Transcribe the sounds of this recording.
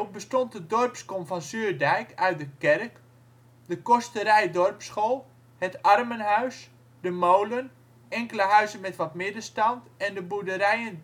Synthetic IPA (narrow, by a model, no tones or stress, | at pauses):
bəstɔnt̚ədɔrpskɔmfɔnsyːrdɛjkʰœɥt̚dəkɛrk | dəkɔstəɾɛjdɔrpsχolˠ | hətɑrmənɦœɥs | dəmowlən | ɛŋkələɦœɥzənmɛtʋɔtmɪdəstɑntɛndəbudəɾɛjən